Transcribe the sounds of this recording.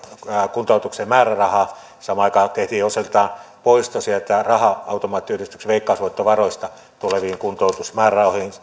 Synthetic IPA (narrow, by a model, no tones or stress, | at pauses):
kunt̪oˑut̪uksemmæːrærɑhɑ | sɑmɑɑˑikɑːt̪eht̪iːoselt̪ɑːnpoˑist̪osielt̪ærɑhɑɑˑut̪omɑːt̪ːˑiyrist̪yksʋeˑikːɑːˑsʋoˑet̪ːoʋɑroˑist̪ɑ | t̪uleʋiːŋkunt̪oˑut̪usmæːrærɑˑoˑhin